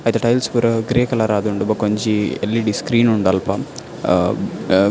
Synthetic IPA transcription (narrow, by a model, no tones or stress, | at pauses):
ajt̪eʈɐjlspuɾɐɡɾeːkɐlaɾaːd̪uɳɖubɐkoɲt͡ʃielːiɖiskɾiːnuɳɖɐlpɐ